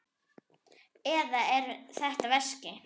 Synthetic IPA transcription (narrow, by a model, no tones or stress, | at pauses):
ɛðaɛɾθɛht̪avɛscɪ